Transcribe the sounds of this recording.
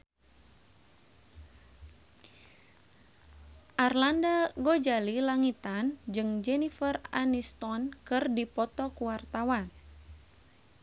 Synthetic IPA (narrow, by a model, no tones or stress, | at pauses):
ʔarlandaɡod͡ʒalilaŋit̪and͡ʒɨŋd͡ʒɛnifəra̰nist̪ɔnkɨrdipɔt̪ɔkuwart̪awan